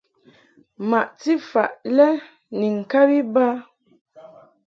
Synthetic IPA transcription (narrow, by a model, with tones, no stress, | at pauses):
ma˨ʔti˦fa̰˨ʔlɛ˦ | ni˨ŋ̩˨ka˦bi˦ba˦